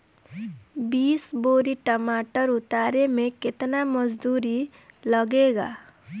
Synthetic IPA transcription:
biːsboːɾiʈɐmaːʈəɾʊt̪aːɾemẽkɪt̪namɐd͡ʒd̪uːɾi | lɐɡeːɡa̰ː

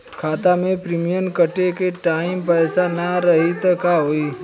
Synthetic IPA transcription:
kʰaːt̪amẽpɾimijənkəʈekeʈaːɪmpɛːsanaɾɐɦit̪kaɦoːiː

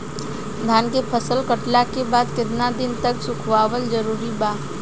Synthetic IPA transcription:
d̪ʱaːnkepʰəsəlkəʈlakebaːd̪kɪt̪nad̪ɪnt̪ɐksʊkʰʋaːʋəld͡ʒəɾuːɾibaː

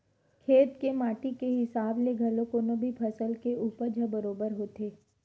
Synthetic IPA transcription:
kʰeːt̪kemaːʈikeɦɪsaːbleɡʱɐlõkonobʱipʰɐsəlkeuːpəɾd͡ʒʱɐbəɾoːbəɾɦoːt̪eː

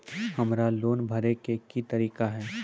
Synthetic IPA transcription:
hɐmɾaloːnbʱɐɾekekit̪ɐɾiːkaɦɛː

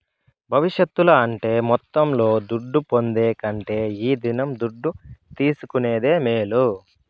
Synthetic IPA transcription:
bʱɐʋiʃjɐt̪ːulɐɐɳʈe̞ːmɔt̪ːɐmlo̞ːd̪uɖːupo̞nd̪eːkɐɳʈe̞ːiːd̪inɐmd̪uɖːut̪iːsukuneːd̪e̞ːmeːlu

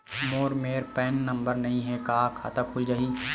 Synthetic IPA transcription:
moːɾmeːɾpɛːnːɐ̃mbəɾnɐɦĩɦɛkaːkʰa̰t̪əkɦʊid͡ʒaɦiː

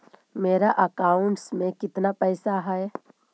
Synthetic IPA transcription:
meːɾaʔɐkaːʊɳʈsmẽkɪt̪napɛːsaɦɛɛ

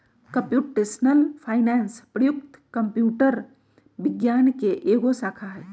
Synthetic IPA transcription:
kəmpjuʈesnəlpʰaɪnɛnspɾəjukt̪kəmpjuʈəɾ | biɡjankeʔeɡosakʰaɦɛ

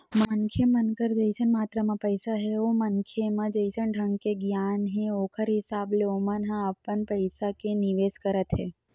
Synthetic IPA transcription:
mənkʰemənkəɾd͡ʒəjsənmat̪ɾəmãpəjsaɦeomənkʰemãd͡ʒəjsəɳɖʱəŋɡkeɡjanɦẽokʰəɾɦɪsableomãnɦãəpːənpəjsakeniʋeskəɾət̪ɦe

